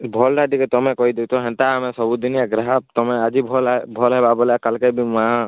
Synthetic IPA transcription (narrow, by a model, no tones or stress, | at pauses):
bʱɔlɖaɖikɛt̪ɔmɛkɔid̪et̪ɔɦɛ̃nt̪aːmɛsɔbud̪inijaɡɾaɦab̚t̪ɔmɛad͡ʒibʱɔlbʱɔlɦɛbabɔlakalkebimaa